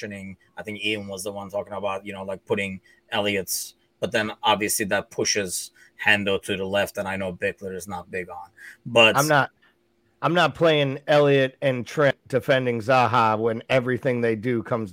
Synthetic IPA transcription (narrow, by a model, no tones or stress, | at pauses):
ɨnɪ̃ŋaɪθɪ̃ŋkĩnwʌzðəwʌ̃ntʰɔkɪ̃ŋəbaʊt̚jɨnoʊlaɪk̚pʰʊɾɪ̃ŋ | ɛlˠiɨts | b̥ʌt̪̚ðɨ̃nɑbviɨsliðɨt̚pʰʊʃɪz̥ | hæ̃ndl̩ˠtʰɨðəlɛftɨ̃naɪnoʊbɪklə˞ɨznət̚b̥ɪɡn̩bʌãɪ̃mnət̚ | ãɪ̃mnət̚pʰl̥eɪɪ̃ŋɛlˠiɨɾɨ̃ntʰɹ̥ɛ̃d̥ɨfɛ̃ndɪ̃ŋzaɦɑwə̃nɛvɹiθɪ̃ŋðeɪdɨkʰʌ̃mz